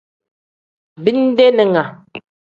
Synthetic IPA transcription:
bi˦n˦de˦nɛ˨ŋa˨

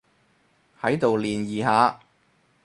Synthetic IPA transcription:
hɐ˨˥jt̪o˨wliː˨njiː˨˩haː˨˧

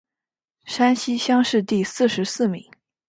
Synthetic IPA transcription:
ʂa˥nɕi˥ɕjɑ˥ŋʂɻ̩˥˧t̪i˥˧sɹ̩˥˩ʂɻ̩˧˥sɹ̩˥˩mḭ˧˥˦ŋ

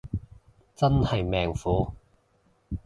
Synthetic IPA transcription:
t͡sɐ˥nhɐ˨jmɛː˨ŋfuː˨˥

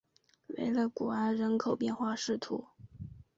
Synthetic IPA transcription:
wḛ˧˥ɪlə˧ku˨˩a˥˩ɪɻə˧˥nkʰo˨˩ʊpjɛ˥˧nxwa˥˧ʂɻ̩˥˩t̪ʰṵ˧˥

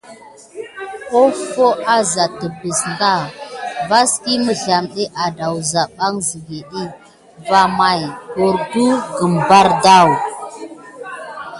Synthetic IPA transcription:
o˦fo˦a˦za˨tə˨bi˨sŋɡa˦˨va˦ski˦mə˨ɮa˨mɗi˦ʔa˨da˨wza˨ɓa˦ŋzi˨ɡi˨ɗi˦ | va˨ma˨jo˨ɾdu˦ɡə˨mba˦ɾda˦˨w

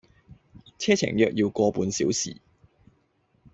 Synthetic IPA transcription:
t͡sʰɛː˥t͡sʰɪ̰˨˩ŋjœː˨k̚jiː˧wkɔː˧puː˨˧nsiː˨˥wsḭː˨˩

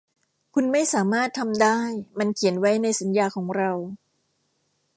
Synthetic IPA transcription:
kʰu˧nma˥˩jsaː˩˦maː˥˩t̪ʰːa˧mdaː˥˩jma˧nkʰi˩˦ənwa˦˥jna˧jsa˩˦njaː˧kʰɔː˩˦ŋɾa˧w

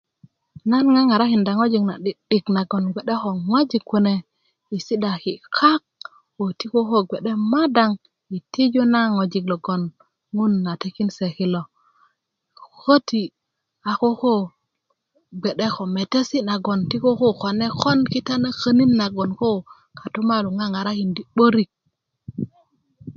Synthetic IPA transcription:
na˦nŋa˦ŋa˨ɾa˦ki˨nda˨ŋo˦d͡ʒi˨kna˨ɗi˨ɗi˨kna˨ɡo˨nɡʷe˨ɗe˦ko˨ŋwa˦d͡ʒi˨kːu˨ne˨ | i˨si˦da˨ki˨kʰa˦k̚ | wo˨ti˦ko˦ko˦ɡe˨ɗe˦ma˦da˨ŋ | i˨ti˦d͡ʒo˦na˦ŋo˨d͡ʒi˨klo˨ɡo˨n | ŋu˦nːa˨te˦ki˦nse˨ki˨lo˨ | ko˦ti˨ | a˨ko˦ko˦ | ɡ͡be˨ɗe˦ko˨me˨te˦si˦na˨ɡo˨nti˦ko˦ko˦ko˨ne˦ko˦nki˦ta˦na˦kə˦ni˦nːa˨ɡo˨nko˦ | ka˨tu˦ma˦lu˨ŋa˦ŋa˨ɾa˦ki˨ndi˨ɓo˦ɾi˦˨k̚

